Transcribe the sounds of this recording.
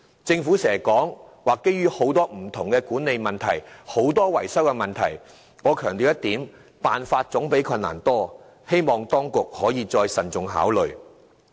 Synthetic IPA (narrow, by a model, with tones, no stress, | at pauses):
t͡sɪ˧ŋfuː˨˥sɛː˨˩kɔː˨˥ŋ | waː˨kːe˥jɥyː˥ho˨˥wt̪ɔː˥m̩˨˩t̪ʰʊ˨˩ŋkɛ˧kuː˨˥nːe˨˧jmɐ˨nt̪ʰɐ˨˩jho˨˥wt̪ɔː˥wɐ˨˩jsɐ˥wkɛ˧mɐ˨nt̪ʰɐ˨˩j | ŋɔː˨˧kʰœː˨˩ŋt̪iː˨wjɐ˥t̪iː˨˥m | paː˨nfaː˧t̚t͡sʊ˨˥ŋpe˨˥jkʰɐ˧nːa̰ː˨˩nt̪ɔː˥ | he˥jmɔː˨˩ŋt̪ɔː˥ŋkʊ˨k̚hɔː˨˥jiː˨˧t͡sɔː˧jsɐ˨nt͡sʊ˨ŋɦa̰ː˨˥wlɵ˨ɥ